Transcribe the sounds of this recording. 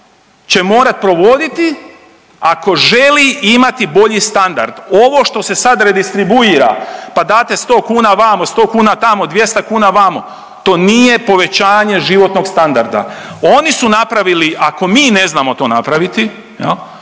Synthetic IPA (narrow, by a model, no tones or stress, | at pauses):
t͡ɕe̞mo̞ːɾat̪̚pɾo̞ʋo̞d̪it̪i | ako̞ʒe̞liʔimat̪ibo̞ʎist̪and̪a̰ɾd̪̥o̞ʋo̞ʃt̪o̞sesad̪ɾe̞d̪ist̪ɾibuiːɾa̰pad̪aːt̪e̞st̪oːkuːnaʋamost̪o̞ːkuːnat̪amo̞d̪ʋje̞st̪akuːnaʋamo̰ | t̪o̞ːniːje̞po̞ʋe̞t͡ɕaːɲe̞ʒiʋo̞t̪no̞ɡst̪and̪aɾd̪a̰o̞nisunapɾaʋiliʔako̞miːne̞znaːmo̞t̪o̞ːnapɾaʋit̪i | jḛl